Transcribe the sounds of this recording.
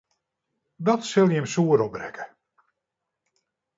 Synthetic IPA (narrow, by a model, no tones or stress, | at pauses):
dɔtsɪlˠjəmsuəɾɔp̚brɛkʰə̥